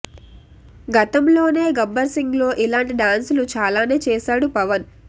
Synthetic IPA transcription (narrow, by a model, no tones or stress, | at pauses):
ɡɐt̪ɐmlo̞ːne̞ːɡɐbːɐɾsiŋɡlo̞ːʔilaːɳʈiɖaːnsulut͡ʃaːlaːne̞ːt͡ʃɛːʃaːɽupɐʋɐn